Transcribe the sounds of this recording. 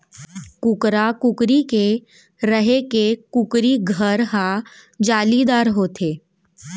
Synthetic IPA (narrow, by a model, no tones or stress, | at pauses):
kʊkɾakʊkɾike | ɾəɦekekʊkɾiɡʱəɾɦãd͡ʒaːlid̪aːɾɦoːt̪ʰeː